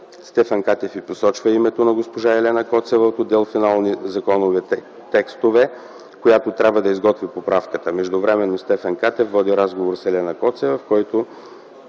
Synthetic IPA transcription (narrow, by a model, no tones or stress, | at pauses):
st̪ɛfənkat̪ɛfiposɔt͡ʃvəimɛt̪onɐɡospoʒaɛlɛnɐkɔt̪sɛvət̪od̪ːɛlˠfinalˠnizɐkɔnovɛ | t̪ɛkst̪ovɛ | kojat̪ot̪ɾʲabvəd̪ɐizɡɔt̪vipopɾafkət̪əmɛʒd̪ʊvɾɛmɛnːost̪ɛfənkat̪ɛfvɔd̪iɾazɡovoɾsɛlɛnɐkɔt̪sɛvɐfkɔjt̪o